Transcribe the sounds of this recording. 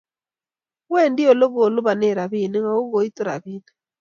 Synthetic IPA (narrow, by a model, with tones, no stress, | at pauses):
wɛ˦ndi˦o˦˨lo˦ɣoː˨lo˦βa˨ne˦˨ɾa˨βi˨ne˦ŋa˨o˦ɣo˨i˦to˦ɾa̰˨βiː˦ne